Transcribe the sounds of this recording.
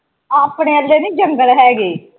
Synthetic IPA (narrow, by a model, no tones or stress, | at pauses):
apɽeːəlːeːniːd͡ʒəŋɡəɭɦɛːɡiː